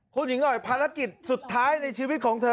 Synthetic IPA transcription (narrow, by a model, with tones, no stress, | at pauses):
kʰuː˧nji˩˦ŋnɔ˨˩jpʰaː˧ɾa˦˥ki˨˩t̪̚su˨˩t̪ʰːaː˦˥jna˧jt͡ɕʰiː˧wi˦˥t̪̚kʰɔː˩˦ŋt̪ʰɤː˧